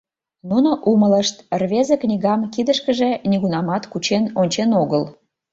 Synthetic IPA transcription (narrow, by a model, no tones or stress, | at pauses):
nunoʔumələʃt̪rβezeknʲiɣɑmkid̪əʃkəʒĕnʲiɣunɑmɑt̪kut͡ɕenonʲt͡ɕenoɣəl